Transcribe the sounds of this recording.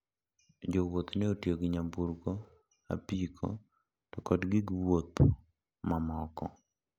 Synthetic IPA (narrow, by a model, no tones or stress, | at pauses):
d͡ʒowot̪nɛotjoɡɪɲabuɾko | a̰pikʰo̰ | tɔkɔdɡɪɡwot̪ | mamɔkɔ̰